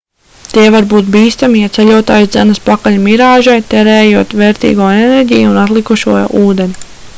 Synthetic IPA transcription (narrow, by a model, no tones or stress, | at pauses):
t̪iɛvaɾbuːt̪̚biːst̪amijat̪sɛlʲuɔt̪aːjsd̪zɛnɐspakalmiɾaːʒajt̪ɛɾɛːjuɔt̪ʋɛːɾt̪ḭːɡoːenɛɾɟijunat̪lˠikuʃuɔj̰uːd̪eni